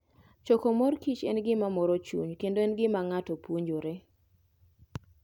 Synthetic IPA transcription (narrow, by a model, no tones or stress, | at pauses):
t͡ʃɔkomɔrkit͡ʃḛnɡɪmamɔɾɔt͡ʃṵɲkendoenɡɪmaŋatopwoɲd͡ʒoɾe